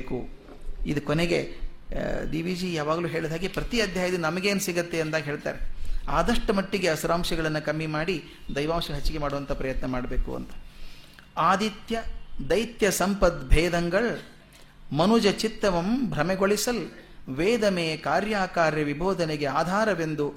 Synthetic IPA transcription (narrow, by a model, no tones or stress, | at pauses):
ekṵ | id̪ukoneɡe | d̪iːʋiːd͡ʒijaːʋaːɡɐluːɦeːɭid̪ʱaːɡipɾɐt̪iɐd̪ʱjaːjɐd̪inɐmɐɡeːnusiɡɐt̪ːeɐnt̪aːɡɦe̞ːɭt̪a̰ːɾeaːd̪ɐʂʈɐmɐʈːiɡe̞ɐsuɾaːmʂɐɡɐɭɐnːukɐmːimaːɽi | d̪ɐjʋaːmʂɐɡɦɐt͡ʃːiɡe̞maːɽuʋɐnt̪ʰɐpɾɐjɐt̪nɐmaːɽɐbeːkṵɐ̰nt̪ɐ̥ | aːd̪it̪jɐd̪ɐjt̪jɐsɐmpɐd̪bʱɛːd̪ɐŋɡɐɭ | mɐnud͡ʒɐt͡ʃit̪ːɐʋɐmbʱɾɐmɛɡoɭisɐl | ʋeːd̪ɐmeːkaːɾjaːkaːɾjɐʋibʱoːd̪ʱɐneɡeaːd̪ʱaːɾɐʋe̞nd̪u